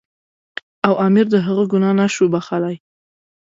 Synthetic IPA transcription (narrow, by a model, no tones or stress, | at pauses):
awʔɑmɪɾd̪əɦəɣəɡʊnɑnaʃubaxalaj